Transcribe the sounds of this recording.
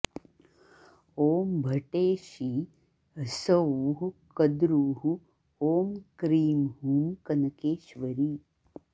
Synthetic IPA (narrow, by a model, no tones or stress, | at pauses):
oːmbʱɐʈeːʃiː | ɦɐsɐuːɦukɐd̪ɾuːɦu | oːmkɾiːmɦuːmkɐnɐkeːʃʋɐɾiː